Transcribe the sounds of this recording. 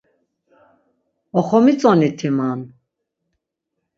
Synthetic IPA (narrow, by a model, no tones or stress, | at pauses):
ɔχɔmit͡sʼɔnit̪ʰiman